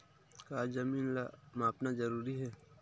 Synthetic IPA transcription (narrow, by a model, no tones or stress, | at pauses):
kaːd͡ʒɐmiːnlamaːpnazɐɾuːɾiɦɛː